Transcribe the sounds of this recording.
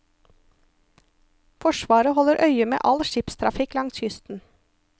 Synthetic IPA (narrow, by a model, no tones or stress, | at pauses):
fɔʃʋɑːɾəhɔləɾʔœʏəmḛːʔɑlʃɪpst̪ʰɾɑ̰fɪklɑŋshʏst̪n̩